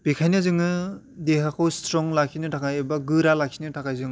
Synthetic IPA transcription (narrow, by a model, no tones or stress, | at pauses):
b̥ikʰajnɯzɯŋɯ | deɦakʰɔwstɾɔŋlakʰinɯtʰakʰajebaɡɯɾalakʰinɯtʰakʰajzɯŋ